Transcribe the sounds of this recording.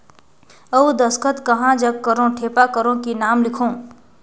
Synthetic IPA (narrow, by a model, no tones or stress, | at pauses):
əud̪əskət̪kɐɦãd͡ʒəɡ̚kəɾõʈʰeːpakəɾõkinaːmlɪkʰõː